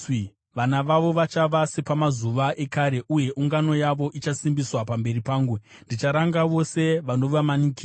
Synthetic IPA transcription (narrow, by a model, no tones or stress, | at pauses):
ʋanaʋaʋo̞ʋat͡ʃaʋase̞pamazuʋaʔe̞kaɾe̞ʔuje̞ʔuŋɡano̞jaʋo̞ʔit͡ʃasimbiswapambe̞ripaːŋɡwu | ndit͡ʃaɾaŋɡaʋo̞se̞ʋano̞ʋamanikiː